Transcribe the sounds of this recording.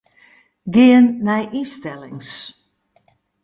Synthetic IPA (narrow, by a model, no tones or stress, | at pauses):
ɡɪənːɛjʔistɛlɪ̰ŋs